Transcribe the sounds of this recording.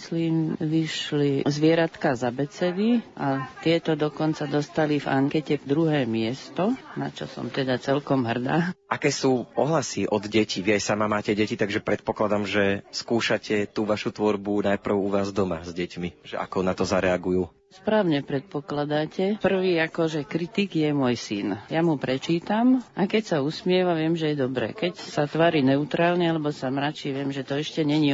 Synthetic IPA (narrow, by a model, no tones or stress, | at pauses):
sliːmʋiʃlizʋɪɛɾat̪kazabɛt͡sɛd̪iʔat̪ɪɛt̪ɔd̪ɔkɔnt͡sad̪ɔst̪aliva̰ŋkɛcɛd̪ɾuɦɛːmɪɛst̪ɔna̰t͡ʃɔ̰sɔ̰mt̪ɛd̪at͡sɛlkɔmɦr̩d̪aːʔakɛːsuːʔɔɦlasiʔɔd̪ɟɛciʋiajsamamaːcɛɟɛcit̪aɡʒɛpɾɛt̪̚pɔklad̪amʒɛskuːʃacɛt̪uːʋaʃut̪ʋɔɾbunajpr̩ʊuʋaːzd̪ɔma̰zɟɛcmiʒɛʔa̰kɔnat̪ɔzaɾɛaɡujuː | spɾaːʊɲɛpɾɛt̪̚pɔklad̪acɛpr̩ʋiːakɔʒɛkɾit̪iɡjɛmʊɔjsinjamupɾɛt͡ʃiːt̪amʔakɛcsausmɪɛʋaʋɪɛmʒɛjɛd̪ɔbɾɛ̰kɛcsat̪ʋaːɾiːnɛut̪ɾaːlɲɛalɛbɔsamɾat͡ʃiʋɪɛmʒɛt̪ɔɛʃcɛɲɛɲi